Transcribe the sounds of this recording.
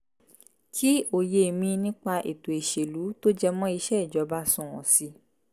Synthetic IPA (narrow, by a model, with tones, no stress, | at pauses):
kʰi˦o˨je˧˨mĩ˧nĩ˦k͡pa˧ʔe˨to˨e˨ʃe˨lu˨˦to˦d͡ʒɛ˧mɔ̃˦i˧ʃɛ˦i˨d͡ʒɔ˨˧˦ba˦sũ˦˨ɔ̰̃˨si˧